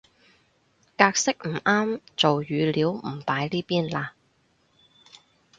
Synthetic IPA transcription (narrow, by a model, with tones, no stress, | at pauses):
kaː˧k̚sɪ˥k̚m̩˨˩aː˥mt͡so˨wjyː˨˧liː˨˥wm̩˨˩paː˨˥jliː˥piː˥nlaː˧